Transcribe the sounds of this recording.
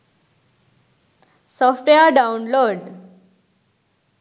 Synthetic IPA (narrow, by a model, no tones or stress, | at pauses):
sɔfʈejaɖaunloɖ